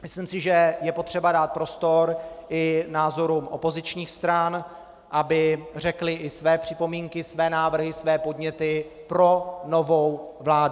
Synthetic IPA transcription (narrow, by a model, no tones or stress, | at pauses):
mɪslimsɪʒɛjɛpo̞t̪r̝̥ɛbadaːt̪̚pɾo̞st̪o̞ɾʔɪnaːzo̞ɾumʔo̞po̞zɪt͡ʃɲiːxst̪ɾan | ʔabɪr̝ɛklɪʔɪsvɛːpr̥ɪpo̞miːŋkɪsvɛːnaːvr̩ɦɪsvɛːpo̞dɲɛt̪ɪ | pɾo̞no̞vo̞wvlaːdu